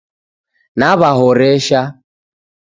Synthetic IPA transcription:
naβaɦɔɾɛʃa

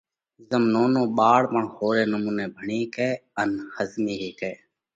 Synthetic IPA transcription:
zəmnoːnõːɓaːɽpəɳxoːɾeːnəmuːneːbʱəɳiːkeːənxəzmiːɦeːkeː

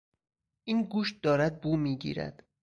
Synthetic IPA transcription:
ʔiːnɡuːʃt̪̚d̪ɒːɾæd̪̚buːmiːɟḭːɾæ̰d̪̥

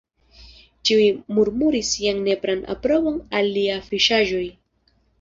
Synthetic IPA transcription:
t͡ʃiujmuɾmuɾisiaŋne̞pɾana̰pɾo̞βoŋaliafiʃaʒoj

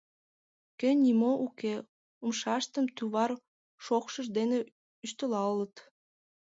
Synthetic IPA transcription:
kenʲnʲimoʔuke | umʃɑʃt̪əmt̪yβɑr | ʃokʃəʒd̪ene | yʃt̪əlɑlət̪

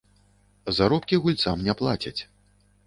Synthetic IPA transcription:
zaɾɔpkʲiɣulʲt̪samnʲaplˠat͡sʲɐt͡sʲ

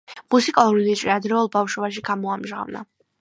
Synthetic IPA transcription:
musikʼalˠuɾinɛt͡ʃʼɾiad̪ɾɛulˠbafʃɔbaʃ̬iɡamɔamʒʁa̰vna̰

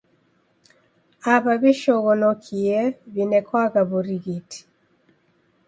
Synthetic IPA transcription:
apaβiʃɔɣɔnɔkʰiɛβinɛkʰwaɣaβuɾiɣitʰi̥

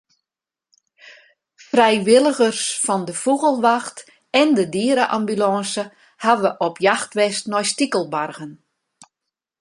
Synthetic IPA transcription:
frɛjʋɪlˠəɣərsfɔndəfuɣəlˠʋaxt | ɛndədiəɾəʔambylɑːsə | haʋəʔɔpʰjaxtʋɛstnɔjstikəlˠbarɣən

